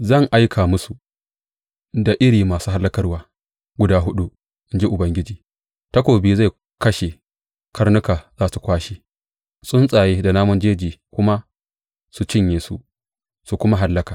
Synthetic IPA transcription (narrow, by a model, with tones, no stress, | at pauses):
zɐ˦˨ŋʔa˦jkʰaː˨mʊ˦su˨ | da˨ʔɪ˦ɾiː˨maː˨suː˦ɦa˦lːɐ˦kɐ˦rwaː˨ | ɡʷʊ˦daː˦ɦʊ˦ɗu˦ | ʔɪ˦nd͡ʒe˦ʔʊ˨bɐ˦ŋɡʲɪ˦d͡ʒiː˨ | tɐ˦kʷoː˨bi˦za˦˨ | kɐ˦ʃe˨ | kʰɐ˦rnʊ˦kaː˨zaː˦˨su˨kʷaː˦ʃi̥ː˦ | sʼʊ˦nsʼaː˨jeː˦da˨naː˦mɔ˦nd͡ʒeː˦d͡ʒiː˨kʷʊ˦ma˦ | su˨t͡ʃɪ˦˨ɲjeː˨su˦ | su˨kʷʊ˦ma˦ɦa˦lːɐ˦kaː˨